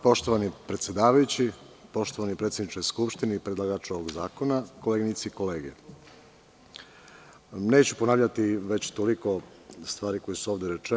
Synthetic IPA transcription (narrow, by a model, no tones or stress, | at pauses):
po̞ʃt̪o̞ʋanipɾet̪sjed̪aːʋajut͡ɕi | po̞ʃt̪oʋanipɾet̪sʲed̪nit͡ʃkojskupʃt̪ineipɾed̪lˠaɡat͡ʃo̞ʋoɡzaːko̞nakoleɡinit̪siiko̞le̞ːɡḛ | ne̞ːt͡ɕuponaːʋʎat̪iʋe̞t͡ɕt̪oliko̞ | st̪ʋaːɾiko̞jesuoːʋd̪eɾe̞t͡ʃe